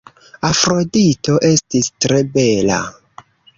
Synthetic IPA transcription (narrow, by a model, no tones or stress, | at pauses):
afɾo̞dito̞ʔe̞stistɾe̞be̞la̰